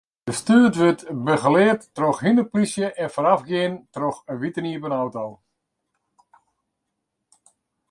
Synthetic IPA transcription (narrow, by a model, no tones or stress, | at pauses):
d̥əstyːətʋøtbəɣəlɪətːroxhinəplisjəʔɛnfoɾafɡɪəntroxəʋitəniəpənawtɔlˠ